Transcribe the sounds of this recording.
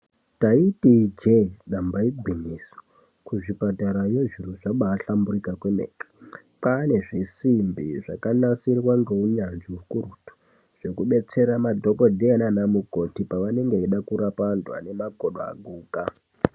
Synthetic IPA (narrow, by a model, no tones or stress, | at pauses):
taitid͡ʒeɗambaiɡʱwiɲiso̥ | kuʐipataɾajeʐiruʐaɓaːɬamburikakwemḛːki̥ | pane̞ʐisimbiʐakanasirwaŋɡe̞uɲanʐiukurutu̥ | ʐ̥ekuɓe̞t͡se̞ɾamadʱo̞kodʱeananamuko̞tipaʋane̞ŋɡeiɗakuɾapandwa̰ne̞maɡʱoɗoa̰ɡʱuːka